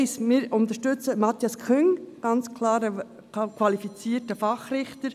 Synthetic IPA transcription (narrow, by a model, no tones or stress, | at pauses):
ɪsmɪːɾʊnt̪əʃtʏt͡səmɑt̪jɑskʰχʏŋɡ̥ɑnt͡skʰlɑːɾə | kʰʋɑlifit͡siːəɾtəfɑχɾɪχtəɾ